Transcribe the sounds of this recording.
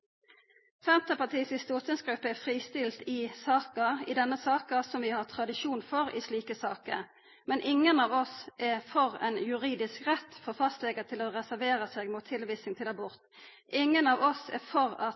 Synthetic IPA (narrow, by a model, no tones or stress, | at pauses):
fɛnt̪əpɑt̪ʰiːsɪst̪uːt̪ənsɡɾʉpːəɛfʁiːst̪ɪlt̪ɪsɑːkəɪd̪ɛnːəsɑːkəsɔmʋɪhɑʁt̪ʰʁɑd̪ɪʃuːnfɔʁɪ̰sliːkəsɑːkə̰ | mɛnʔɪŋːənɑːʋɔsʔɛfɔʁɛ̰njʉʁiːd̪ɪskʁɛt̪ːfɔʁfɑst̪lɛɡəət̪ʰɪloːʁɛsæʁʋeːʁəseːɡmuːt̪ʰːɪlʋiːsnɪŋt̪ʰɪlɑbʊʁt̪ | ʔɪŋːənɑːʋɔsɛ̰fɔʁɑ